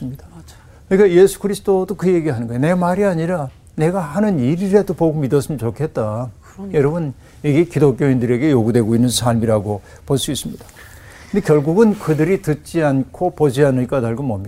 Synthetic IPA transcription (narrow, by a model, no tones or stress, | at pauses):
ɯmɲid̥a | kɯnik͈aje̞sʰu̥kɯɾisʰɯdodokɯje̞ɡiɦanɯnŋɡʌjene̞maɾiaɲiɾa | ne̞ɡahanɯniɾiɾe̞dopoɡumidʌs͈ɯmt͡ɕokʰe̞t̚t͈a | jʌɾʌbɯn | iɡekidok̬͈joindɯɾe̞ɡe̞joɡudwe̞ɡoinːɯnsʰaɭmiɾaɡo | poɭs͈uis͈ɯmɲid̥a | kɯnd̪ekjʌɭɡuɡɯnkɯdɯɾitɯt̚t͡ɕ͈iankʰopod͡ʑianɯɭk͈ataɭɡɯmʌmɲi